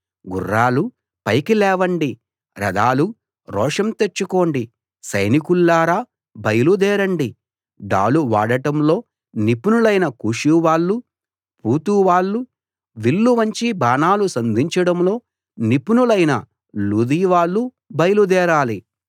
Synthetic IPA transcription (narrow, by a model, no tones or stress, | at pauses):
ɡṵrːaːlu | pɐjkilɛːʋɐɳɖi | ɾɐ̰d̪aːlu | ɾɔːʂɐmt̪et͡ʃːuko̞ːɳɖi | sɐjnikulːaːɾaː | bɐjɐlud̪ɛːɾɐɳɖi | ɖa̰ːluʋaːɽɐʈɐmlo̞ː | nipunulɐjnɐkuːʂuʋaːɭːu | puːt̪uːʋaːɭːu | ʋilːuʋɐɲt͡ʃibaːnaːlusɐnd̪ʱiɲt͡ʃɐɽɐmlo̞ː | nipunulɐjnɐ | luːd̪iːʋaːɭːu | bɐjɐlud̪ɛːɾaːli